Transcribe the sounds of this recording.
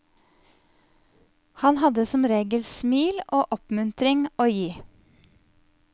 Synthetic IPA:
hɑnhɑd̪əsɔmɾeːɡəlsmiːlʔoːʔɔpmʉnt̪ɾɪŋoːjiː

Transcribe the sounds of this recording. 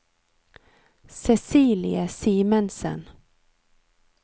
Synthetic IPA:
sɛsiːlɪ̰əsiːmənsə̰n

